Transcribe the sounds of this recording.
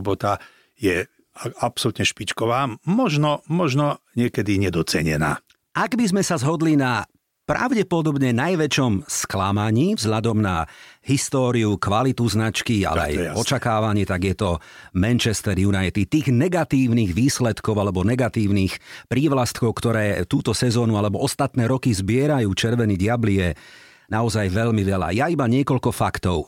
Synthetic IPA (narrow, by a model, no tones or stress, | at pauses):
bɔt̪a | jɛ | apsɔlut̪ɲɛʃpit͡ʃkɔʋaːmɔʒnɔmɔʒnɔɲɪɛkɛd̪iɲɛd̪ɔt͡sɛɲɛ̰na̰ː | ʔaɡbizmɛsazɦɔd̪lina | pɾa̰ʊɟɛpɔd̪ɔbɲɛnajʋɛt͡ʃɔmsklamaɲiːvzɦʎad̪ɔmna̰hist̪ɔːɾiukʋalit̪uznat͡ʃkia̰lɛ̰a̰jɔt͡ʃakaːʋaɲɪɛt̪aɡjɛt̪ɔmɛnt͡ʃɛst̪ɛɾjunajit̪it̪iːɣnɛɡat̪iːʊniːɣʋiːslɛt̪kɔʊalɛbɔnɛɡat̪iːʊniːxpɾiːʋlast̪kɔʊkt̪ɔɾɛːt̪uːt̪ɔsɛzɔːnualɛbɔɔst̪at̪nɛːɾɔkizbɪɛɾajuːt͡ʃɛɾʋɛniɟɪablijɛ | naɔzajʋɛʎmiʋɛʎa̰jaibaɲɪɛkɔʎkɔfakt̪ɔʊ